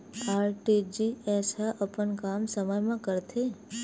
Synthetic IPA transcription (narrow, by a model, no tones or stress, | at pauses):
aːɾʈid͡ʒiɛsɦəʔəpəɳkamsəməjmãkəɾt̪ʰe